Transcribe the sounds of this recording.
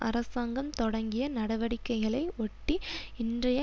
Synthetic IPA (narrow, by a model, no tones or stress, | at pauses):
ʔɐ̰ɾɐsaːŋɡɐmt̪ɔɽɐŋɡɪjɐnɐɽɐʋɐɽɪkːɐɪɣɐɭɐɪɔʈːiɪndrɐjɐ